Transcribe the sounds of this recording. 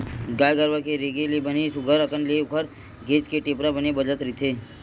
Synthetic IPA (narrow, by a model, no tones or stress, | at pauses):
ɡaːjɡəɾʋakeɾeɡelebənesʊɡʱəɾəkənlekʰəɾ | ɡʱeːt͡ʃkeʈeːpɾabənebəd͡ʒət̪ɾit̪ʰe